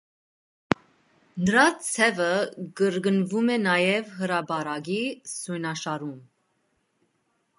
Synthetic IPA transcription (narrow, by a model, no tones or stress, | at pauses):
nəɾɑt͡sʰɛvəɡəɾɡənvumɛnɑjɛvɦəɾɑbɑɾɑɡisujnɑʃɑɾum